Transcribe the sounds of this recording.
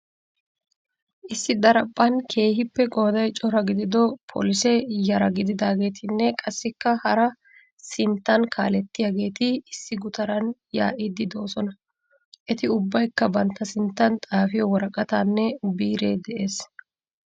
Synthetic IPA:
ʔɪsːɪd̪ɐɾɐpʼːɐnkʰe̞ːɦɪpːɛkʼoːd̪ɐjt͡ʃʼɔɾɐɡɪd̪ɪd̪ɔpʰo̰ːlɪsɛjɐɾɐɡɪd̪ɪd̪aːɡe̞ːt̪ʰɪnːɛkʼɐsːɪkːɐhɐɾɐ | sɪnt̪ːɐnkʰa̰ːlɛt̪ːɪjaɡe̞ːt̪ɪɪsːɪɡʊt̪ɐɾɐnja̰ːʔɪd̪ɪd̪o̞ːsɔnɐ | ʔɛt̪ɪʊbːɐjkːɐbɐnt̪ːɐsɪnt̪ːɐnt̪ʼaːfɪjɔwɔɾɐkʼɐt̪aːnːɛbiːɾe̞̰ːd̪ɛʔe̞ːs

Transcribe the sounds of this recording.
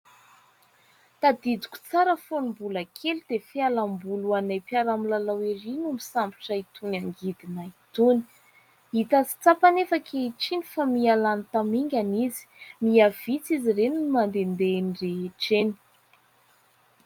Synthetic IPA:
t̪ad̪id̪u̥kʲu̥t͡saɾəfonimbuləkʰelid̪̥efialambuluanajpjaɾamilalawiɾinumisambi̥ʈ͡ʂait̪unaŋɡid̪inəit̪uni̥ | it̪at͡si̥t͡sapanefakʰeiʈ͡ʂinifamialanit̪amiŋɡʲanizi̥miav̥it͡sizireninimand̪end̪enireɦeʈ͡ʂeni̥

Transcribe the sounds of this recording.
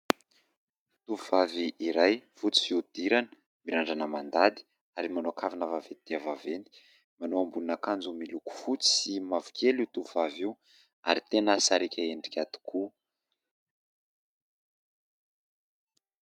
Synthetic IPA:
t̪uvuvaviʔiɾajfut͡si̥fiud̪̥iɾanə̥ | miɾaɳɖ͡ʐanəmand̪ad̪i̥ | aɾimanoakʰavinavavenid̪̥eavavend̪i̥ | manoambulunakand͡zumiluku̥fut͡si̥simavu̥kʲʰeliut̪uvuvaviw | a̰ɾit̪enəsaɾekʲʰaeɳɖ͡ʐi̥kʲat̪i̥kʰu

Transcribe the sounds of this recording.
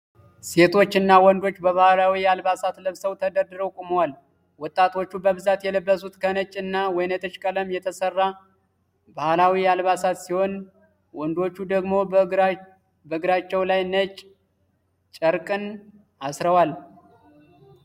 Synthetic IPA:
se̞t̪ʰo̞t͡ʃːɨnːawɔnd̪o̞t͡ʃːbəβahlawialbasat̪ləβsəwt̪ʰəd̪əɾd̪ɨɾəkʼuməwal | wɔt̪ʼːat̪ʰo̞t͡ʃːubəβɨzat̪jɛləbːəsut̪kʰənət͡ʃʼːɨnːawɔjnət̪ʰɨt͡ʃkʼələmjɛt̪ʰəsərːa | bahlawialβasat̪siho̞n | wɔnd̪o̞t͡ʃːud̪əɡmo̞ | bəɡɨɾat͡ʃːɛwlajnət͡ʃʼ | t͡ʃʼəɾkʼɨn | asɾəwal

